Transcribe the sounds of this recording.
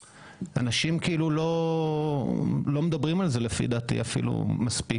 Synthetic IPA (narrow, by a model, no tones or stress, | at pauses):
ʔa̰naʃimkiʔilulo̞ | lo̞med̪abʁimalzelefḭd̪aːtḭafḭlṵmaspi